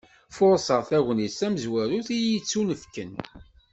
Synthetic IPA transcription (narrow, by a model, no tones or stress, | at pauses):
fʊɾˤsˤəʁθæɣnisæməzwæɾuθijit͡sːunəfkən